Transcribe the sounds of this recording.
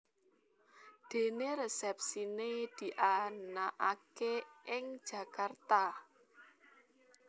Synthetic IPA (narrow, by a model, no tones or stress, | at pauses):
d̪̥e̤neɾesɛp̚sined̪̥i̤ʔanaʔakeʔɪŋ̥ʒ̥ä̤kart̪a